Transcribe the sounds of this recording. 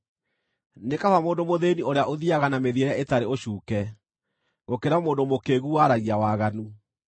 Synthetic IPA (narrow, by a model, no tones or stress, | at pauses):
nekafamoːndomoðenioɾeaʔoðiaɣanameðieɾeaetaɾeoɕuːkɛ | ɣokeɾamoːndomokeɣuwaɾaɣiawaɣanu